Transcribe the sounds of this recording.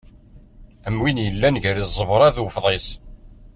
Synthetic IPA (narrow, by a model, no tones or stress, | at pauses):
əmwinjəlːænʝəɾizˤəvɾˤɑðwfðˤes